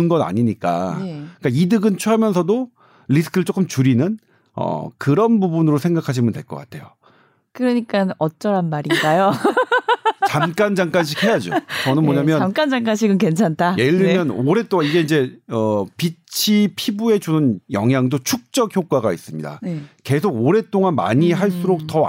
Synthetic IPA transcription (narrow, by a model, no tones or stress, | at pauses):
ɯnɡʌna̰ɲiɲik͈a̰ik͈aidɯɡɯnt͡ɕʰuɦamjʌnsʰʌdo | ʎisʰɯ̥kʰɯɭt͡ɕ͈ok͈ɯmt͡ɕuɾinɯn | ʌ̰kɯɾʌnbubunɯɾosʰeŋɡakʰaɕ̬ʰimɯntwe̞̰ɭk͈ʌk͈a̰tʰe̞̰jo | kɯɾʌɲik͈anʌt͡ɕ͈ʌɾanmaɾiŋɡajo | t͡ɕamk͈and͡ʑaŋk͈anɕʰikhe̞jad͡ʑo̰t͡ɕʌnɯnmoɲamjʌnamk͈and͡ʑaŋk͈anɕ̬ʰiɡɯnke̞nt͡ɕʰantʰajeʎːimjʌnoɾe̞t͈oŋaniɡe̞ind͡ʑe̞ʌpit͡ɕʰipʰibue̞t͡ɕoɯnjʌŋɦjaŋdot͡ɕʰuk̚t͡ɕ͈ʌk̚çjok͈aɡaḭs͈ɯmɲḭda̰neke̞sʰoɡoɾe̞t͈oŋanma̰ɲiɦaɭs͈uɾok̚t͈ʌ